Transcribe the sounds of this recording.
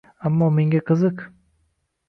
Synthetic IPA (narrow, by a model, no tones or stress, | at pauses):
amːɒːmeŋɡʲakʰɯzɯq